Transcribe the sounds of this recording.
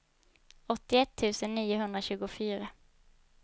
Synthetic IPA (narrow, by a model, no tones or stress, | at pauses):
ɔt̪ːɪɛt̪ʰːʉ̟ːsənːiːʊɦɵnd̪ɾaɕʉ̟ːɡʊfyːɾa